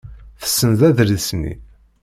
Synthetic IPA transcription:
θə̥sːənðæðɾisnːḭ

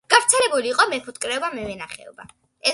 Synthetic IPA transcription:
ɡ̥avɾt̪sʰɛlɛbuliːqʼɔmɛpʰut̪ʼkʼɾɛɔbamɛvɛnaχɛ̰ɔ̰ba̰ | ɛ

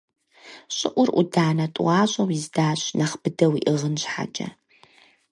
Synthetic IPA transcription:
ɕʼɪʔʷʊrʔʷʊ̰daːnɐtʼṵɑːɕʼɐwizdaːɕnɐχb̥ɨdɐwiʔɨʁənɕħa̰t͡ʃʼɐ̰

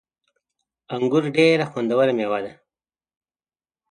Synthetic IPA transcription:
aŋɡʊɾɖeɾaxwand̪awəɾamjewad̪a

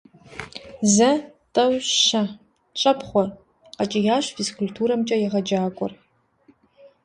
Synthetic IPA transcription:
zɐ | tʼɐwʃɐ | t͡ʃʷʼɐpʰχʷɔr | qat͡ʃʼɐjaːʃʷfiskʰʊlʲtʰuːɾɐmt͡ʃʼɐjaʁɐd͡ʒaːkʷʼʊ̰r

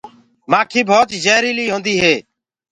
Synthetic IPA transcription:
mãːkʰiːbʱoːt̪d͡ʒeːɾiːliːɦõːnd̪iːɦeː

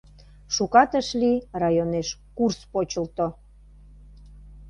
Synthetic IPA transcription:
ʃukɑt̪əʃlirɑjoneʃkurspot͡ɕəlt̪o

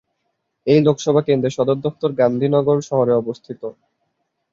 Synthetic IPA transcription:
ejlokʰʃɔbʱakend̪ɾeʃɔd̪oɾd̪ɔf̚t̪oɾɡand̪ʱinɔɡoɾʃɔɦoɾeɔbost̪ʰit̪o

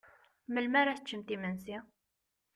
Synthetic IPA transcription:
məlmæɾaθət͡ʃːəmt̪imənsi

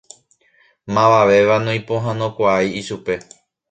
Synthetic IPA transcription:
mãʋaʋe̞ʋanõj̃põ̞ɦãnõkʷaajiʃupe̞

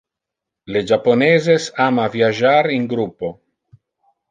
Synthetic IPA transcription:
led͡ʒaponezesamaviaʒaɾiŋɡɾupo̞

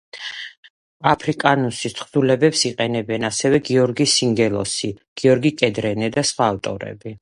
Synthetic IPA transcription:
apʰɾikʼanusit̪χd̪ulɛbɛpsiqʼɛnɛbɛnasɛvɛɡiɔɾɡisiŋɡɛlˠɔ̰siɡ̥iɔɾɡikʼɛd̪ɾɛnɛd̪asχwaːft̪ʼɔ̰ɾɛ̰bi

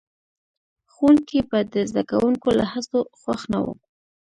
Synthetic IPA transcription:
xunkepad̪əzd̪aka̰wʔuŋkolahasoxwaxna̰wə̰ku

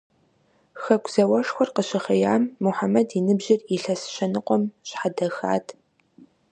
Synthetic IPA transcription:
xɐkʷz̥ɐwɐʂxʷɔrqəɕɪχɐjaːmːʊħamɐdinɨbʑɪriɬɐsɕɐnɨqʷʼɔmɕħadɐxa̰ːtʰ

